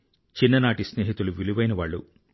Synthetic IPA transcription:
t͡ʃinːɐnaːʈisneːɦit̪uluʋiluʋɐjnɐʋaːɭːṵ

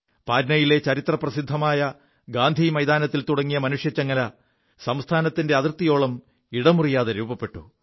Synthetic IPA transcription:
paːdnɐjile̞t͡ɕɐɾit̪rɐprɐsid̪ʱːɐmaːjɐ | ɡaːnd̪ʱimɐjd̪aːnɐt̪ːilt̪uɽɐŋːijɐmɐnuʂjɐt͡ɕːɐŋːɐlɐ | sɐmst̪ʰaːnɐt̪ːinde̞ɐðirt̪ːijo̞ːɭɐm | iɽɐmurijaːðeɾuːbɐpːe̞ʈːu

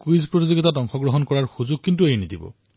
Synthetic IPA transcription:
kuizpɹot̬izoɡitatɔŋxɔɡɹɔɦɔnkɔɹaɹxuzuɡ̚kːint̬uejnidibɔ̰

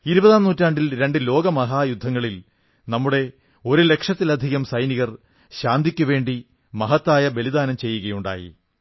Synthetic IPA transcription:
iɾubɐðaːmnuːtːaːɳɖilɾe̞ɳɖɨlo̞ːɡɐmɐɦaːjud̪ʱːɐŋːɐɭil | nɐmːuɽe̞ | o̞ɾule̞kʂɐt̪ːilɐd̪ʱiɣɐmsɐjniɣɐr | ɕaːnd̪ʱikʲːuʋe̞ːɳɖi | mɐɦɐt̪ːaːjɐbe̞lid̪aːnɐmt͡ɕe̞jːuɣɐjuɳɖa̰ːjḭ

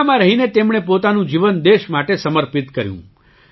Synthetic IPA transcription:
mãɾəɦinet̪emɳ̃epot̪anũd͡ʒiʋənd̪eʃmaʈesəməɾpit̪kəɾjṵ̃

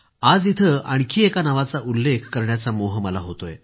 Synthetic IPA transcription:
ad͡zit̪ʰəa̰ɽ̃ikʰiːekanəʋat͡saʔulːekʰkəɾɳjat͡samoɦəməlaɦot̪oje

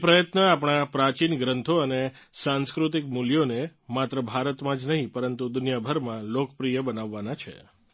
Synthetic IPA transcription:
pɾəjət̪nəap̬ɳ̃apɾat͡ʃinɡɾənt̪ʰoəne | sãnskɾut̪ik̚muljonemat̪ɾəbʱaɾət̪mãd͡ʒnəɦĩpəɾənt̪ud̪ʊnjabʱəɾmãlokpɾijəbənaʋːanat͡ʃʰḛ

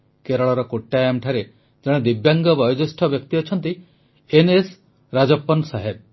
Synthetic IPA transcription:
keɾɔɭɔɾɔkoʈːajamʈʰaɾe | d͡ʒɔɽ̃ed̪ibjaŋɡɔbɔjɔd͡ʒɔsʈʰɔbjɔkt̪iɔt͡ʃʰɔnt̪i | enes | ɾad͡ʒɔpːɔnsaɦeb̚

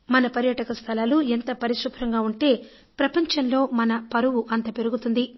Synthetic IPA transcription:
mɐnɐpɐɾjɐʈɐkɐst̪ʰɐlaːluent̪ɐpɐɾiʃupʰɾɐŋɡaːuɳʈe̞ː | pɾɐpɐɲt͡ʃɐnlo̞ːmɐnɐpɐɾuʋuʔɐnt̪ɐpe̞ɾuɡut̪und̪i

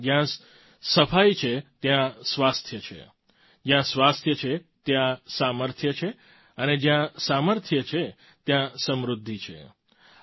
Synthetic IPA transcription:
d͡ʒjã | səfʰajt͡ʃʰet̪jãsʋast̪ʰjət͡ʃʰḛ | d͡ʒjãsʋast̪ʰjət͡ʃʰet̪jãsaməɾt̪ʰjət͡ʃʰe | əned͡ʒjãsaməɾt̪ʰjət͡ʃʰe | t̪jãsəmɾud̪ʱːit͡ʃʰḛ

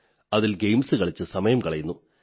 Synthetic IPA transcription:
ɐðilɡejmsɨkɐɭit͡ɕːɨsɐmɐjɐmkɐɭɐjunːu

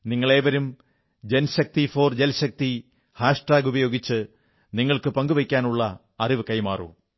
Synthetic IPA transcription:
niŋːɐɭe̞ːʋɐɾum | d͡ʑenɕɐk̚t̪ifo̞ːrd͡ʑelɕɐk̚t̪i | haːʂʈaːɡubɐjo̞ːɡit͡ɕːɨ | niŋːɐɭkɨpɐŋɡuʋɐkʲːaːnuɭːɐ | ɐriʋɨkɐjmaːro̰ː

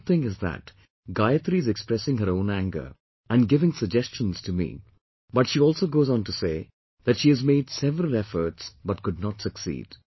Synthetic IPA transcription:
θɪ̃ŋɪzðæ̰t | ɡaɪət̪ɾiɨzɛkspɾɛsɪ̃ŋɦəɾõʊ̃næ̃ŋɡə̰˞ | æ̃nɡɪvɪ̃ŋsəɡ̚d͡ʒɛst͡ʃə̃nz̥tʰɨmḭ | bʌʈʃiɔːlˠsoʊɡoːzɔ̃ntuseː | ðæʈʃiːɨzmeːdsɛvɾəl̩ˠɛfə˞ʈsbʌʈ̚kʊd̚nɔtsəksḭːd̥

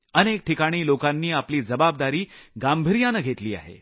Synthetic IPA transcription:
ənek̚ʈʰikaɽ̃iːlokanːiːapliːd͡zəbab̚d̪aɾiːɡambʱəɾijanəɡʱet̪liːa̰ɦḛ

